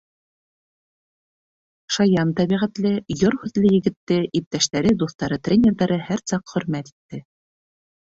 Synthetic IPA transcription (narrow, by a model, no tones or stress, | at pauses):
ʃɑjɑnt̪æβiʁæt̪lɘjoɾhʉðlɘjɘ̆ɡɘ̆t̪ːɘʔip̚t̪æʃt̪æɾɘd̪uθt̪ɑɾɤt̪rʲenʲeɾðɑɾɤhæɾsɑqχɵ̆ɾmæt̪i̥t̪ːɘ